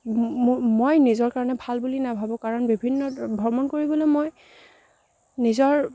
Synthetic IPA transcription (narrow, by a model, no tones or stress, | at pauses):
mojnizɔɹkaɹɔnɛbʱalbulinabʱabɔ̃kaɹɔnbibʱinːɔbʱɔmɔnkoɹibɔlomoj | nizɔɹ